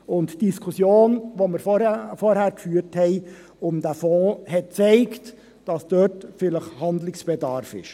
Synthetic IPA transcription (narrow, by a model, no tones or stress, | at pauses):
ʊntd̥iskʰʊsjoːnʋoːməɾfɔɾhæːɾkfyːɾthɛɪ | ʊmd̥æfɔ̃ːhɛt̚t͡sɛɪkt | d̥ɑsd̥øːtfɪləχhɑndlɪksb̥ɛdɑɾfɪ̰ʃ